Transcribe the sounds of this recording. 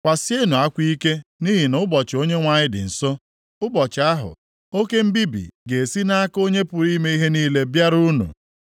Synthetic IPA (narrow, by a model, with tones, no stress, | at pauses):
kʷa˨sje˦nu˨a˦kʷi˦ke˦ni˦ɦi˨nʊ˦bɔ˨t͡ʃo˦ɲe˦ŋʷa˦ɲɪ˦dɪ̰˨n̩˨so˦ | ʊ˦bɔ˨t͡ʃɪ˨a˦ɦʊ̰˨ | o˦ke˦m̩˦bi˦bḭ˨ɡe˨e˨si˦na˦ko˦ɲe˦pʊ˨ɾi˦me˦i˦ɦe˦niː˦le˦bja˦ɾu˦nṵ˨